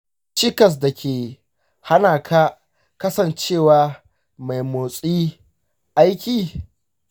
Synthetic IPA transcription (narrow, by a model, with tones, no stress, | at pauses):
t͡ʃɪ˦kɐ˨s̬da˨kʲʰeː˨ | ha˦naː˨kʰaː˦ | kɐ˦sɐ˨nt͡ʃeː˦˨waː˨ | ma˨jmoː˨sʼiː˦ | ʔa˦jkʲiː˨